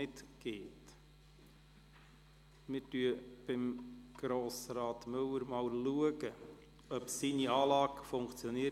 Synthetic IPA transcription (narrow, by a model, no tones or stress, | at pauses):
ɪtɡ̥eːt | mɪɾtyːəb̥ɪmɡ̥ɾoːsɾɑːt̪mɵləɾmɑwluəɡə | œpsiːniɑːlɑːɡfʊŋkt͡sjɔniə